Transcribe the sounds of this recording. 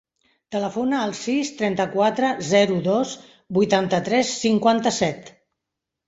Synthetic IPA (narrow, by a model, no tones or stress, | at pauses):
t̪ələfonəːlˠsist̪ɾɛnt̪əkwat̪ɾəzɛɾuðoz | bujt̪ant̪ət̪ɾɛsːiŋkwant̪əsɛt̪